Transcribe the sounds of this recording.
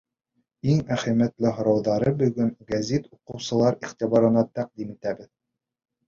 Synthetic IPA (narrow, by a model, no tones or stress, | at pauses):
iŋmæχæmæt̪lɘɦŏɾɑwðɑɾɤbɵ̆ɡɵŋɡæzit̪uqɤ̆wsɤ̆lˠɑɾiχt̪iβɑɾɤ̆nɑt̪æq̚d̪imit̪æbɘð